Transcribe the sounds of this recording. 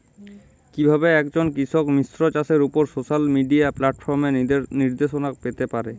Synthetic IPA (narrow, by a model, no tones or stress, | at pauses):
kibʱabeɛkd͡ʑonkɾisɔkmisɾɔt͡ɕaseɾupoɾsosalmiɖiaplaʈfʰɔɾmeniɾd̪esonakpet̪epaɾe